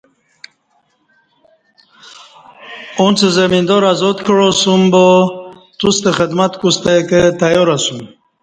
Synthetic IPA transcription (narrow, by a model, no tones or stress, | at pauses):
unt͡sezamind̪ɔɾazɔd̪kɻosumbo | t̪ust̪exəd̪mat̪kust̪eket̪ajoɾasum